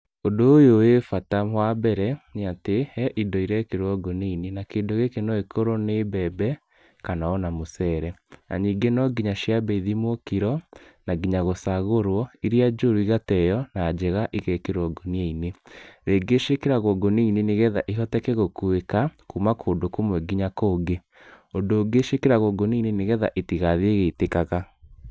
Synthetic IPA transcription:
odoːjowefatamwabɛɾɛneatehɛʔidɔiɾɛkeɾwɔɡoniinenakeːndoɣekenɔekʰoɾonebɛbɛ | kanaɔnamosɛːɾɛa̰ɲiɡenɔɡiɲaʃiabɛiðimokiɾɔnaɡiɲaɣosaɣoɾwɔiɾiad͡ʒoɾoiɣatɛjɔnaːd͡ʒɛɣaʔiɣɛkeɾwɔɡonieineɾeɡeʃekeɾaɣɔɡoniineneɣɛðaʔiɦɔtɛkɛɣokwekakumakʰoːndokomwɛɡiɲakoːɡe | ondoːɡeʃekeɾaɣɔɡoniineneɣɛða̰ʔetiɣaðieɣetekaɣa

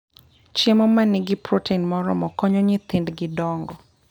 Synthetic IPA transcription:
t͡ʃemɔmanɪɡɪpɾoteinmɔɾɔ̰mɔkɔɲɔɲɪt̪ɪndɡɪdɔŋɡɔ

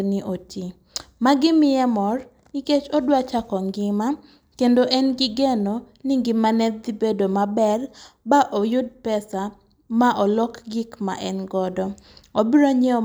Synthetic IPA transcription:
niʔoti | maɡɪmɪjɛmɔr | iket͡ʃɔdwat͡ʃakɔŋɡɪma | kendoʔɛnɡɪɡɛno | niŋɡimanɛd̪ibedomabɛrbaʔojʊd̚pɛsa | maʔɔlɔkɡɪkma̰ʔɛnɡɔdɔ | obiɾoɲɛɔ

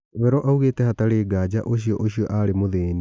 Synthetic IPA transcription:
wɛɾɔʔauɣeːtɛhataɾeːɡaːd͡ʑaʔoɕiɔʔoɕiɔʔaːɾemoðeːni

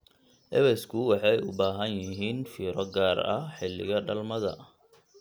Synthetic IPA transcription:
ʔɛβɛskʰʊwɑħɑjʊ̰baːɦɐnjɪɦiːnfiːɾɔɡaːrɐ̰ħɪlːɪ̰ɣɐɖɐlmɐðɐ̰

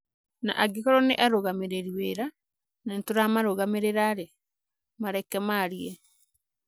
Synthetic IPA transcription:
na̰ʔaɡikɔɾɔneʔaɾoɣameɾeɾiweɾa | nentoɾamaɾoɣameɾeɾaɾe | maɾɛkɛmaɾiɛ

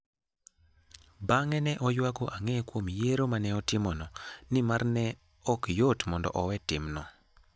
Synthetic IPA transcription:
baŋɛnɛʔɔjwakoʔaŋɛkwomjeɾomanɛɔtɪmɔnɔnɪmarnɛ | ɔkjotmɔndɔ̰ʔɔwɛtɪmnɔ

